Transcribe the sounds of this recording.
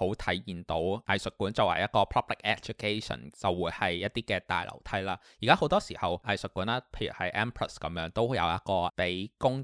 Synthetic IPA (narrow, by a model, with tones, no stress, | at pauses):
ho˨˥wt̪ʰɐ˨˥jjiː˨˩nt̪o˨˥wʔɐ˨˩jsɵ˨t̚kːuː˨˥nt͡sɐ˨whɐ̰˨˩jɐ˥t̚kɔː˧pʰɔ˥p̚lɪ˨k̚ɛ˦˥k̚t͡ʃʊ˨˥kʰe˥sɔ̰˨˩nt͡sɐ˨wːuː˨˧jhɐ˨jjɐ˥t̪̚iː˥kɛː˧t̪a̰ː˨jlʔɐ̰˨˩wt̪ʰɐ˥jlaː˥ji˨˩kaː˥ho˨˥wt̪ɔː˥siː˨˩hɐ˨wʔɐ˨˩jsɵ˨kːuː˨˥naː˥pʰe˧jy̰˨˩hɐ˨jʔɛː˥mpʰɹɐ̰˨˩skɐ˨˦mjœː˨˥ŋt̪o˥wjɐ̰˨˧wjɐ˥t̚kɔː˧pe˨˥jkʊ˥ŋ